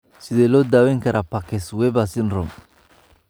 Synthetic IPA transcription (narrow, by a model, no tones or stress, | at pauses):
sɪðɛlɔːd̪aːwɛŋkʰɐɾʔapakɛswɛbasɪnrɔm